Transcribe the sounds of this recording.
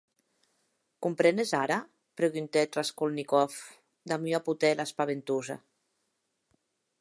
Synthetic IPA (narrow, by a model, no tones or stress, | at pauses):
kumpɾenezaɾa | pɾeɣynt̪et̪raskolnikɔf | d̪amyaput̪ɛlaspaβent̪uza̰